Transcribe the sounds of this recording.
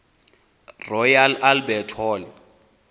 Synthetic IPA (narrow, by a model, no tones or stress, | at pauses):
rɔjalalbɛtʰɔːlɪ